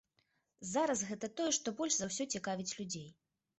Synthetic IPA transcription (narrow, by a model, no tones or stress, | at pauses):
zaɾɐsɣɛt̪ɐt̪ɔjɛʂt̪ɔbɔlʲʐzɐwsʲɔt͡sʲɛkavʲit͡sʲlʲud͡zʲej